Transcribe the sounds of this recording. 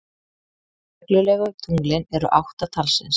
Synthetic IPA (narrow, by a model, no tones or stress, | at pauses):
ɛklʏlɛɣʏt̪ʰuŋklɪnɛɾʏ̰ʔawht̪at̪ʰalsɛ̰ns